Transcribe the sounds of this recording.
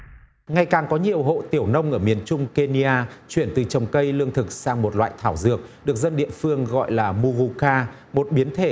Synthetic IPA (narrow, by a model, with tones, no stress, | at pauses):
ŋa˨˩jkaː˨˩ŋkɔ˨˦ɲi˨˩əwɦo̰˧˨t̪i˧˩əwnə˧wŋ͡mʔəː˧˩mi˨˩ənt͡ɕʊ˧ŋ͡mke˧ni˧ʔaː˧t͡ɕwi˧˩ənt̪ɨ˨˩t͡ɕə˨˩wŋ͡mkə˧jlɨ˧əŋt̪ʰɨ˨˩k̚saː˧ŋmo˨˩t̚lwa̰ː˧˨jt̪ʰaː˧˩wzɨ˨˩ək̚ɗɨ˨˩ək̚zə˧nɗḭ˧˨əfɨ˧əŋɣɔ̰˧˨jlaː˨˩mu˧ɣu˧kaː˧ | mo˨˩t̚ɓi˨˦ənt̪ʰe˧˩